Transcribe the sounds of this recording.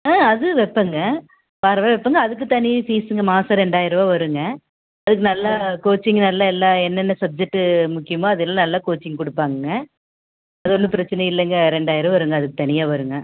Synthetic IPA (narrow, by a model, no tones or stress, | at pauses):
ãːɐðɯʋɛpːɐŋɡɐ | paːɾɐʋaːʋɛpːɐŋɡɐːðɯk̬ːɯt̪ɐnɪjfiːsɯŋɡɐmaːsɐɾɛɳɖaːjɪɾɐʋaːʋɐɾɯŋɡɐ | ɐðɯkːɯnɐlːakoːt͡ʃːɪŋɡnɐlːaɛlːaːɛnːɛnːɐsɐb̚d͡ʒɛk̚ʈːɯmʊkːɪjɐmãːɐðɯɛlːãːnɐlːaːkoːt͡ʃːɪŋɡkʊɽɯpːaːŋɡɯɡɐ | ɐðɯɔnːɯpɪɾɐt͡ʃːɐnɐɪlːɛŋɡɐɾɛɳɖaːjɪɾɐʋɐɾɯŋɡɐðɯkːɯt̪ɐnɪjaːʋɐɾɯŋɡɐ